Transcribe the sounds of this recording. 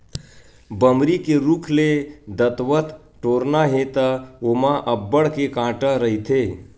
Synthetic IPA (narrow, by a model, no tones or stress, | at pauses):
bəmɾikeɾuːkʰled̪ət̪ʋət̪ | ʈoːɾnaɦet̪əomãʔəbːəɽkekãːʈəɾəɦit̪ʰe